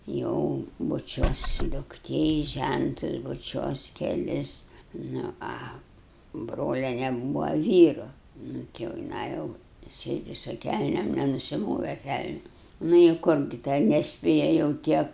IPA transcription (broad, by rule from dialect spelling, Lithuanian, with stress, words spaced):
ˈjɛʊ bʊˈt͡ʃʲuɔs dʊkˈtʲeː ɪ ˈʒʲæntʊs bʊˈt͡ʃʲuɔs kʲɛˈlʲɪs ˈnʊ ˈɐ ˈbroːlʲiɛnʲɛ ˈbuːʋɐ ˈʋʲiːrʊ ˈnʊ tʲɪ jɛʊ jɪˈnɐɪ ˈjɛʊ ˈsʲeːdʲɪ sʊ ˈkʲælʲnʲeːm nʲɛnʊsʲɪˈmoːʋʲɛ ˈkʲælʲnʲʊ ˈnʊ ɪ ˈkʊr ɡʲɪ ˈtʲɛn nʲɛsʲˈpʲeːjɛ jɛʊ ˈtʲiɛ